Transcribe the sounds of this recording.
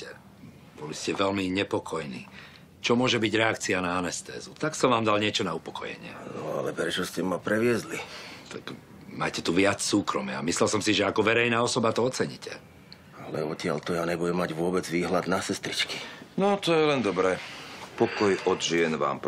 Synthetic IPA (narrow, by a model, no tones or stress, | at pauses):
ɛ | bɔliscɛʋɛlmiɲɛpɔkʰɔjnḭː | t͡ʃɔmʊɔʒɛbiɟɾɛakt͡sianaanɛst̪ɛ̰ːzut̪aksɔmʋaːmd̪alɲɪɛt͡ʃɔnaupɔkɔjɛ̰ɲɪɛ̰nɔ̰a̰lɛpɾɛt͡ʃɔscɛmapɾɛʋɪɛzlit̪ak | ma̰ːcɛt̪uʋɪat͡ssuːkɾɔmɪa̰mislɛlsɔmsiʒɛakɔʋɛɾɛjnaːɔsɔbat̪ɔɔt͡sɛɲḭcʰɛ | alɛ̰ɔcɪa̰lt̪ɔjaɲɛbujɛmːaɟʋʊɔbɛd͡zʋiːɦlad̪nasɛst̪ɾit͡ʃkinɔt̪ɔjɛlɛnd̪ɔbɾɛpɔkɔjɔd̪ʒɪɛnʋa̰ːmp